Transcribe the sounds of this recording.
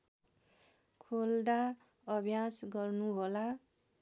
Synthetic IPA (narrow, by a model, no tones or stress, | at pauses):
kʰold̪a | ʌbʱjasɡʌrnuɦola